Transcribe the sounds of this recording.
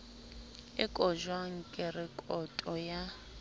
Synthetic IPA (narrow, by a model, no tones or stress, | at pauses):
ɪkʼɔʒwaŋ̩kʼɪrɪkʼɔtʼɔja